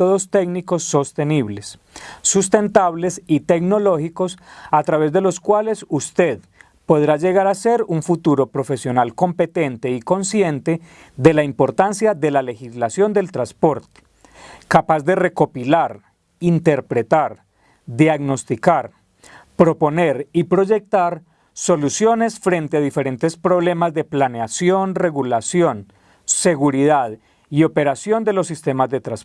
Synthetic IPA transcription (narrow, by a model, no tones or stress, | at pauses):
oðost̪e̞ɡniko̞sːo̞st̪e̞niβle̞sː | ust̪e̞nt̪aβle̞sit̪e̞ɡno̞lo̞xiko̞sat̪ɾaβe̞zd̪e̞lo̞skwale̞sust̪e̞ð | po̞ðɾad͡ʒe̞ɣaɾase̞ɾuɱfut̪uɾo̞pɾo̞fe̞sjo̞nalko̞mpe̞t̪e̞nt̪e̞iko̞nsje̞nt̪e̞ | d̪e̞laimpo̞ɾt̪ansjaðe̞lale̞xizlasjo̞nd̪e̞lt̪ɾaspo̞ɾt̪e̥ | kapazd̪e̞re̞ko̞pilaɾ | int̪e̞ɾpɾe̞t̪aɾ | d̪jaɣno̞st̪ikaɾ | pɾo̞po̞ne̞ɾipɾo̞ʝe̞k̚t̪aɾ | so̞lusjo̞ne̞sfɾe̞nt̪eaðife̞ɾe̞nt̪e̞spɾo̞βle̞mazd̪e̞planeasjo̞nre̞ɣulasjo̞n | se̞ɣuɾiðað | io̞pe̞ɾasjo̞nd̪e̞losːist̪e̞mazd̪e̞t̪ɾas